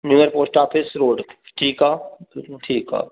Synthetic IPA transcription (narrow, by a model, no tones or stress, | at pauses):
njuːjəɾpoːsʈaːpʰɪsɾoːɖʈʰiːkaːʈʰiːkɦa̰ː